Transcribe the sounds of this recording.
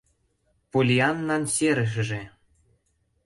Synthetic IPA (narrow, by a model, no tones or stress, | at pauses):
polʲiɑnːɑnsʲeɾɘ̆ʃ̬ɘ̆ʒĕ